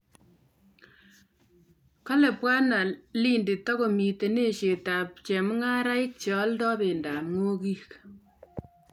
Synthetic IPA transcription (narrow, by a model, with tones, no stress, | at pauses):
ka˦lɛ˨pwa˦na˨li˦nde˨tɔ˦ko˨mi˨te˨ne˦˨ʃe˨ta˨p̚t͡ʃɛ˨mŋa˦ɾa˦ɪ˦k̚t͡ʃɔ˨˦ldɔ˦be˨nda˨mŋo˦ki˦k